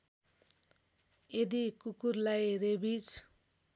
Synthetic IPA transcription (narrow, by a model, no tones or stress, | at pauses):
ed̪ikukurlajɾebit͡sʰ